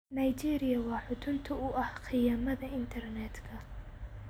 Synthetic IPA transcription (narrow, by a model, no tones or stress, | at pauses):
nɐjt͡ʃiːɾɪjɐwɑːħʊt̪ʰʊnt̪ʰʊʊʔɐhqʰɪjaːmɐðɐɪnt̪ʰɐrnɛːd̪kʰɐ